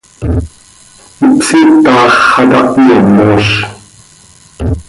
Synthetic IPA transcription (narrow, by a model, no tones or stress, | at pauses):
ipsit̪ɑːχːɑt̪ɑ̰ʔiomːoːɬ